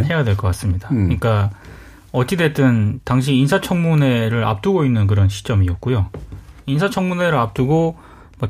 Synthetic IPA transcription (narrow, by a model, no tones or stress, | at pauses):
ɦe̞jadwe̞ɭk͈ʌk͈as͈ɯmɲidakɯɲik͈a | ʌt͡ɕ͈idet͈ɯntaŋɕ̬ʰiːnsʰat͡ɕʰʌŋmune̞ɾɯɾa̰p̚t͈uɡoinːɯnk̬ɯɾʌnɕʰi̥t͡ɕ͈ʌmiʌt̚k͈ujoins̬ʰat͡ɕʰʌŋmune̞ɾɯɾap̚t͈uɡo | mʌ